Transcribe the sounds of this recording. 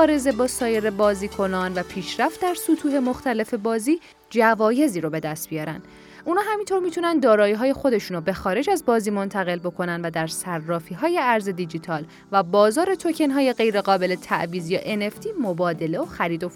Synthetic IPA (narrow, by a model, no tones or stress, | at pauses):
ɒːɾe̞ze̞bɒːsɒːje̞ɾe̞bɒːziːkʰo̞nɒːnvæpʰiːʃɾæft̪̚d̪æɾsut̪ʰuːɦe̞mo̞xt̪æle̞fe̞bɒːziː | d͡ʒævɒːje̞ziːɾobe̞d̪æst̪̚bijɒːɾæ̰nd̪̥ | ʔunɒːɦæmint̪ʰo̞ɾmiːt̪ʰunænd̪d̪ɒːɾɒːiɦɒːje̞xo̞d̪e̞ʃuːnobexɒːɾe̞d͡ʒæzbɒːziːmo̞nt̪ʰæɣe̞lbo̞kʰo̞nænd̪væd̪æɾsærːɒːfiːɦɒːje̞æɾze̞d̪id͡ʒiːt̪ʰɒːl | væbɒːzɒːɾe̞t̪ʰocʰe̞nɦɒːje̞ɣe̞jɾe̞ɣɒːbe̞le̞t̪ʰæ̰ʔviːzijeʔene̞ft̪ʰiːmobɒːd̪e̞le̞oxæɾiːd̪o